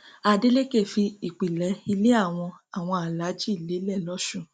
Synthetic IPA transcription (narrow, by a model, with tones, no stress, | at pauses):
a˨de˦le˦ke˦˨fi˧i˨k͡pi˨lɛ˨˦i˧le˦a˦˨w̃ɔ̃˧a˨w̃ɔ̃˧a˨la˨˦d͡ʒi˦˨le˨˦lɛ˦˨lɔ˦ʃũ˦˨